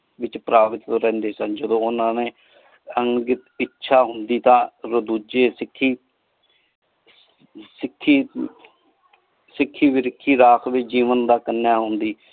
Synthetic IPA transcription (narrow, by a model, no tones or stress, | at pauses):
ʋɪt͡ʃpɾaːʋɪt̪oɾɛ̃ːnd̪eːsənd͡ʒəd̪õːʊnãːneː | əŋɡɪt̪ɪtːʃʰaːɦʊnd̪iːt̪ãːɾəd̪uːd͡ʒeːsɪkʰːiː | sɪkʰːiː | sɪkʰːiːʋɪɾɪkʰːiːɾaːkʰʋed͡ʒiːʋənd̪aːkənːjaːɦʊnd̪iː